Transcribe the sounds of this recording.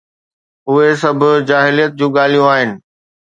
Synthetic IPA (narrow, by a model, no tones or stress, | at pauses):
ʊɦesɐbʱʊ̆d͡ʑaːɦɪlijət̪̚d͡ʑũːɠaːl̤ijũaːɦɪnɪ̆